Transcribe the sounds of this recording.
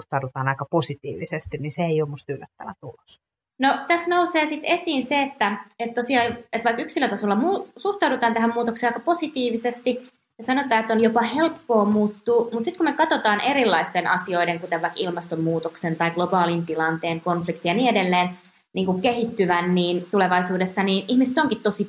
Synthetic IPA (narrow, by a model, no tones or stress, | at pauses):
ht̪ɑudut̪ɑːnɑikɑposit̪ḭːʋisest̪inniseeiomust̪ylːæt̪ːæʋæ̰t̪ulos | not̪æsnouseːsit̪esiːnseet̪ːæet̪t̪osiɑːet̪ʋɑikyksilːˑøt̪ɑsolːɑmuːsuht̪ɑudut̪ɑːnt̪æɦæmmuːt̪okseːɑikɑposit̪iːʋisest̪i | jɑsɑnot̪ɑːet̪ːonjopɑhelpːoːmuːt̪ːuːmut̪sit̪kumekɑt̪ot̪ɑːnʔeɾilːɑist̪enɑ̰sio̞ideŋkut̪eʋʋɑikilmɑst̪omːuːt̪oksent̪ɑiɡ̥lobɑːlint̪ilɑnt̪eːŋkonflikt̪ijɑniːedelːeːn | niːŋkukkehit̪ːyʋænːiːnt̪uleʋɑisuːdesːɑniːnihmiset̪oŋkit̪t̪osi